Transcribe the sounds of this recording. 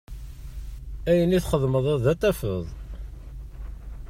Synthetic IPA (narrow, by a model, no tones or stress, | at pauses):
æjəniθχəðˤməðˤæðæt̪ːæfə̰ðˤ